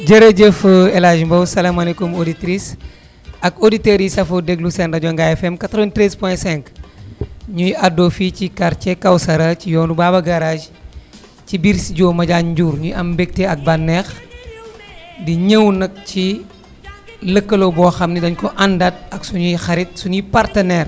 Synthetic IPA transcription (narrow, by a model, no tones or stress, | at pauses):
ɟɐɾɐɟəfɐɛlaːʒmbɐwsɐlamɐlekumoditɾis | ɐkoditɛɾjisɐfodɛɡlusɛndɐɟɔŋɡaɛfɛmkat̪ɾɔʋɛntɾɛspɔɛ̃sɛŋk | ɲujɐdoːficikaɾt͡ʃɛkɐwsɐɾɐcijɔːnubaːbɐɡɐɾaːd͡ʒ | cibiɾsiɟɔːmɐɟaɲɟuːɾɲujɐmbɛk̚teɐk̚bɐnːɛx | diɲəwnɐk̚ci | ləkːɐlobɔːxɐmnidɐɲkɔʔɐndɐt̚ɐksuɲujxɐɾit̚sunipartɐnɛr